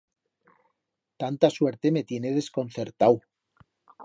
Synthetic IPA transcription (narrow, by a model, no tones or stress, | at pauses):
t̪ant̪asweɾt̪emet̪je̞neð̞esko̞nθeɾt̪aw